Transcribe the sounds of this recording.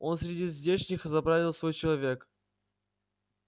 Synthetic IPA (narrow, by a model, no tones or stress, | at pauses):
o̞nsʲɾʲɪdʲizʲvʲdʲeʂnʲɪxzɐbɾavʲɪlˠsvo̞jt͡ɕɪlˠɐvʲe̞k